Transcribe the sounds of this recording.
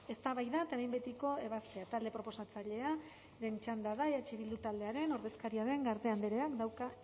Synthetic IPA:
e̞st̪aβajðat̪aɾajmbet̪iko̞e̞βast̪eat̪ald̪e̞pɾo̞po̞sat͡saʎe̞a | ɾent͡ʃand̪aðajat͡ʃeβild̪ut̪ald̪e̞aɾe̞no̞ɾðe̞skaɾiaðe̞ŋɡaɾt̪e̞and̪eɾeakd̪awka

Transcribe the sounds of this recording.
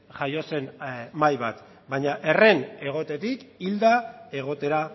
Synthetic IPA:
ʝajo̞se̞nmajβat̪ | bajɲaʔe̞re̞ne̞ɣ̞o̞t̪e̞t̪ikild̪ae̞ɣo̞t̪e̞ɾa

